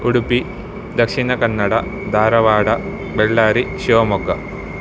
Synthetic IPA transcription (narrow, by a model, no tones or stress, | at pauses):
uɽupːi | d̪ɐkʂinɐkɐnːɐɽɐd̪ʱaːɾɐʋaːɽɐ | beɭːaːɾiɕoʋɐmokːɐ